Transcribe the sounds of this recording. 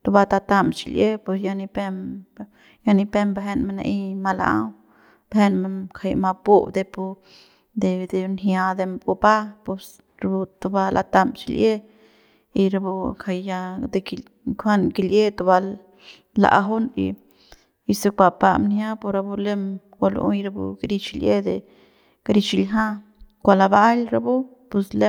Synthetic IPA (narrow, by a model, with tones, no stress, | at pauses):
t̪u˧ba˧t̪a˧t̪a˧mt͡ʃi˧lje˦pe˧sja˧ni˧pe˧m | ja˧ni˧pe˦mbe˧ɦe˦nme˧nḛ˧ʔi˦ma˧la̰˧˦ | b̥ɦe˦nme˧kʰa˧jma˧pu˦bd̪e˧pu˧ | d̪e˧d̪e˧nja˧d̪e˧mbu˧ba˦po˧s | ɾbu˧t̪u˧ba˧lʔa̰˧t̪a˧mt͡ʃi˧lje˦ | i˧ɾa˧bu˧kʰa˧jːa˧d̪e˧ki | kʰa˦nki˧lje˦t̪u˧ba˧ | la̰˨ʔɦu˦nḭ˧ | i˧su˧kʷa˧pa̰˧mnja˦po˧ɾa˧bu˧le˦m | kʷa˧lṵ˧˦i˧ɾa˧bṵ˧ɡɾi˧t͡ʃi˧lje˦d̪e˨ | kɾi˧t͡ʃi˧lɦa˦ | kʷa˧la˧ba˦lɾa˧bu˦ | pu˧sle˦